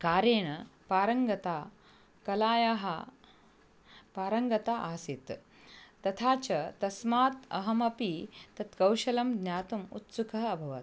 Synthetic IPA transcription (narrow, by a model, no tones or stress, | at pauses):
kaːɾeːɽ̃ɐpaːɾɐŋɡɐt̪aː | kɐlaːjaɦɐ | paːɾɐŋɡɐt̪aːʔaːsit̪ | t̪ɐt̪ʰaːt͡ʃɐt̪ɐsmaːt̪ɐ̰ɦɐmɐpit̪ɐt̪kɐwʃɐlɐmd̪nʲjaːt̪umṵt̪sukɐɦɐɐbʱɐʋɐt̪